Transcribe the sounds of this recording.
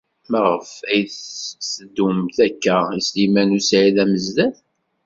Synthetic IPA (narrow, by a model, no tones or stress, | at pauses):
məʁəfæjθsəd̪ːumθækːæislimænusʕiðæməzðæθ